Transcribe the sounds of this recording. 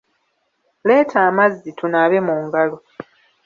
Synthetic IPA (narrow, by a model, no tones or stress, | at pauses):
le̞ːtʰaːmazːitunaβemuːŋɡalo